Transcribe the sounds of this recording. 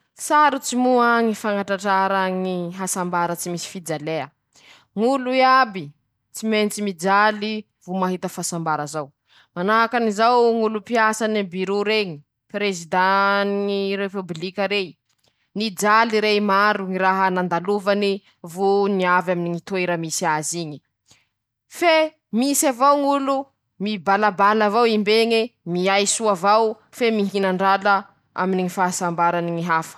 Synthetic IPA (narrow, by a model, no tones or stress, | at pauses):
saɾut͡simuaŋifaŋaʈ͡ʂaʈ͡ʂaɾaŋiɦasambaɾət͡simisi̥fid͡ʒaleə | ŋuluabi | t͡siment͡simid͡ʒali | vumaɦit̪əfasambaɾəzaw | manaɦakanizawŋulupiasanibiɾuɾeŋi | pɾezid̪anŋiɾepublikʲəɾe | nid͡zaliɾemaɾuŋiraɦanand̪aluvani | vuniavaminiŋit̪ueɾamisiaziɲi̥ | fe | misavawŋulu | mibalabalavawimbeɲemiajsuavaw | femiɦinaɳɖ͡ʐala | a̰miniŋifasambaɾaniŋiɦafə̥